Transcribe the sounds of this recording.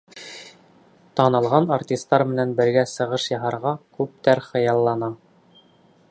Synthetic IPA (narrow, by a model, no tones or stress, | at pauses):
t̪ɑnɤ̆lˠʁɑnartʲist̪ːɑɾmɘ̆nænbɘ̆ɾɡæsɤ̆ʁɤʃjɑɦɑɾʁɑkʉp̚t̪æɾχɤ̆jɑlˠːɑnɑ